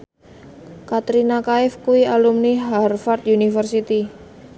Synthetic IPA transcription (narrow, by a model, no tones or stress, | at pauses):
kat̪ɾinakaɪfkuialumniɦarfart̪̚unifərsit̪i